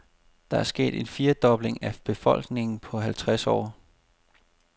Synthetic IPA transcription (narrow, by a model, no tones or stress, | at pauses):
d̥ɑ̈æɐsɡ̥e̝̰ːd̥e̝nfiːɐd̥ɒ̽b̥le̝ŋæb̥e̝fɒ̽l̰ɡ̥ne̝ŋn̩pʰɒ̽ɦælt͡sʰʁasɒ̰ː